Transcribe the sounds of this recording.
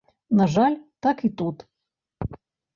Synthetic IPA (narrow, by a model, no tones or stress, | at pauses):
naʐalʲt̪akit̪ut̪